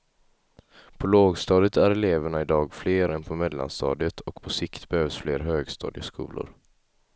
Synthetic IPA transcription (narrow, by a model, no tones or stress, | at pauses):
pʰɔloːɡst̪ɑːd̪ɪt̪ʰæɾɛleːvəɳaɪd̪ɑːɡfleːɾɛnpʰɔmɛd̪la̰nst̪ɑ̰ːd̪ət̪ʰɔkpʰɔsɪkt̪bɛhøːvsfleːɾɦøːɡst̪ɑ̰ːd̪ɪəskṵːlʊ̰ɾ